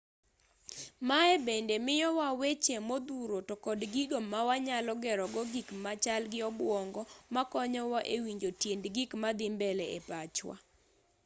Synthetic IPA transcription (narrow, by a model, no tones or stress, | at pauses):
maɛbendemɪjɔwawet͡ʃemod̪uɾotɔkɔdɡiɡomawaɲalɔɡɛɾɔɡɔɡikmat͡ʃalɡɪɔbwɔŋɡɔmakɔɲɔwaʔewiɲd͡ʒotjendɡikmad̪ɪmbɛlɛepat͡ʃwa̰